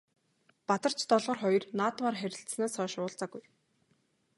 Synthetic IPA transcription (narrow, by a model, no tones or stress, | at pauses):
pat̪ə̆r̥t͡ɕʰt̪ɔɮʁɞ̆rχɔjɞ̆rnaːt̪maːrχæɾʲɪ̆ɬt̪snaːsœːʃʊːɮt͡saɡuj